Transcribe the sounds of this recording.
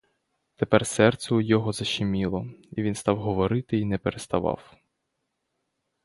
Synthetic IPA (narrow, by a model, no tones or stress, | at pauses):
t̪epɛrsɛrt̪sʲɛʊjɔɦɔzɐʃɪmʲilˠɔiʋʲinst̪ɑwɦɔʋɔɾɪt̪ɪinɛpeɾest̪ɐʋɑ̰w